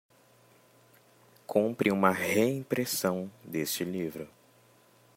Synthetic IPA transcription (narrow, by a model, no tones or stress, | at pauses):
kʰũpɾɪũmɐheĩpɾesɐ̃w̃d̪est͡ʃɪlivɾʊ